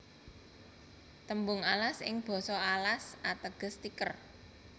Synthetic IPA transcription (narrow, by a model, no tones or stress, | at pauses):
t̪əmbʊŋalasɪ̰ŋb̥ɔ̤sɔalasat̪əɡ̥ə̤st̪ikər